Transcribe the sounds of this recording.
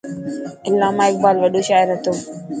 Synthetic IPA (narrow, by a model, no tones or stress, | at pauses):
ʔɪlːaːmaːɪk̚baːlwɐɗuʃaːɪɾɐt̪o